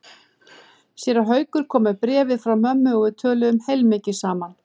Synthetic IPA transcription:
sjɛːɾaɦœːɥkʏɾ̥kʰɔːmapɾɛːvɪðfɾawmœmːʏɔɣʏt̪ʰœːlʏʏmhejlmɪːcɪ̥saːman

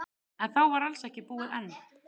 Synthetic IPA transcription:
ɛnθawvaɾalsɛhcɪpuːɪðɛnː

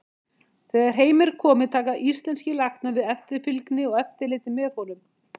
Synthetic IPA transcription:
θɛːɣaɾ̥ɦeːjmɛɾ̥kʰɔːmɪt̪ʰaːkaʔist̪lɛnscɪlaxt̪navɪðɛft̪ɪɾ̥fʏlknɪɔɣɛft̪ɪɾlɪːt̪ɪmɛːfoːwlʏm

